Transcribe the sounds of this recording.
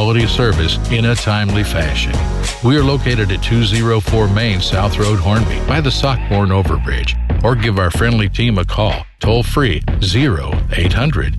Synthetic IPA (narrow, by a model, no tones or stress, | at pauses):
lˠəɾi̥sɜ˞vɨs | ɪ̃ñɨtʰãɪ̃mlifæʃɨ̰̃n | wiə˞loʊkʰeɪɾɨɾɨtʰʉzɪɹoʊfɔɹmẽɪ̃nsaʊθɹoʊd̚ɦɔɹnbḭb̥aɪðɨsɑk̚b̥ɔɹnoʊvə̰˞bɹɪ̰d͡ʒə˞ɡɪvaʊə˞fɹɛ̃ndˡlitʰĩməkʰɔ̰lˠtʰoʊlˠfɹizɪɹo̰ʊeɪt̚hʌ̃ndɹɨ̰d̥